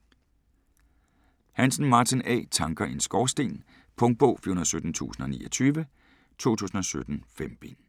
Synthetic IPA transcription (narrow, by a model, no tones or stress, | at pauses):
hænsn̩mɑ̈ːt͡sʰinɛ̰ːt͡sʰɑ̈ŋɡ̥ɐe̝nsɡ̥ɒːsd̥e̝̰ːn | pʰɔ̽ŋ̚b̥ɔ̰ːfyhonðˠsød̥n̩t͡sʰṵːsn̩ɒ̽nḭːɒt͡sʰyːʋə | t͡sʰo̝̰ːt͡sʰṵːsn̩ɒ̽sød̥n̩femb̥e̝n